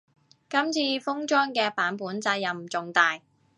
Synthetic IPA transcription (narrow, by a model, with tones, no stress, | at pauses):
kɐ˥mt͡sʰiː˧fʊ˥ŋt͡ʃɔː˥ŋkɛː˧paː˨˥npuː˨˥nt͡saː˧jɐ˨m˨t͡sʊ˨ŋt̪aː˨j